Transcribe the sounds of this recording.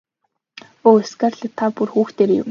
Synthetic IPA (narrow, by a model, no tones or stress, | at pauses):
oːesɡarɮ̆t̪ʰːapurxuːxt̪eːɾejʊ̰m